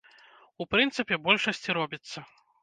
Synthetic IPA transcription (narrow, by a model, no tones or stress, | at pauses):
upɾɨnt̪sɨpʲɛbɔlʲʂɐsʲt͡sʲiɾɔbʲit̪sːɐ